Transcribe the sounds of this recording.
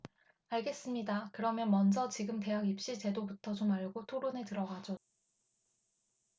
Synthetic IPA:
aɭɡe̞s͈ɯmɲidakɯɾʌmjʌnmʌnd͡ʑʌt͡ɕiɡɯmte̞ɦaɡip̚ɕ͈it͡ɕe̞dobutʰʌt͡ɕomaɭɡotʰoɾonetɯɾʌɡad͡ʑo

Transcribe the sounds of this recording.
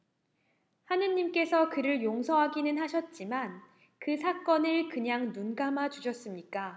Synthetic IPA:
hanɯɲimk͈e̞sʰʌkɯɾɯɭjoŋsʰʌɦaɡinɯnɦaɕʰʌt̚t͡ɕ͈iman | kɯsʰak͈ʌnɯɭkɯɲaŋnunɡamat͡ɕuɕʰʌs͈ɯmɲik͈a

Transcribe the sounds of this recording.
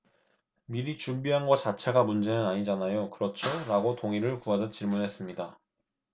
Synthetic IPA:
miɾit͡ɕumbiɦanɡʌt͡ɕat͡ɕʰeɡamund͡ʑe̞nɯnaɲid͡ʑanajokɯɾʌt͡ɕʰoɾaɡotoŋiɾɯɭkuadʌt͡ɕiɭmunɦe̞s͈ɯmɲida

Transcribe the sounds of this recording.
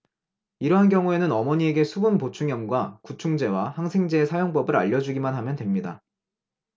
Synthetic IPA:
iɾʌɦankjʌŋue̞nɯnʌmʌɲie̞ɡe̞sʰubɯnpot͡ɕʰuŋjʌmɡwakut͡ɕʰuŋd͡ʑe̞wahaŋsʰe̞ŋd͡ʑeːsʰajoŋpʌbɯɾa̰ʎːʌd͡ʑuɡimanɦamjʌndwe̞mɲida

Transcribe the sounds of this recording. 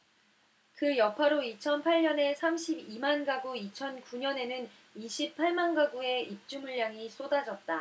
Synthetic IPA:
kɯjʌpʰaɾoit͡ɕʰʌnpʰaʎɲʌne̞sʰamɕʰibimanɡaɡuit͡ɕʰʌnkuɲʌne̞nɯn | iɕʰipʰaɭmanɡaɡue̞ip̚t͡ɕ͈umuʎːaŋis͈odad͡ʑʌt̚t͈a

